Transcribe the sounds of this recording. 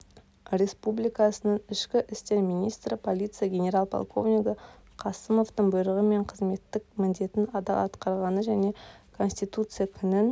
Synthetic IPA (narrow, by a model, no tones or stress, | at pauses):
ɾʲe̞spublijkɑsənəɴɪʃkʲɪʔɪst̪e̞ɾmijnʲijst̪ɾəpʰo̞lʲit̪sɨjaɡʲe̞nʲe̞ɾɑlˠpʰo̰lˠkʰo̞̰vnʲiɡə | qʰɑsəmo̞ft̪əɴbʊjɾəʁəme̞ɴqʰəzme̞t̪ːɪk̚mɪnd̪e̞t̪ɪnɑd̪ɑɑt̪qɑɾʁɑnəʒæne̞kʰo̞nsʲt̪ijt̪ut̪sɨjakʲʰʏnɪn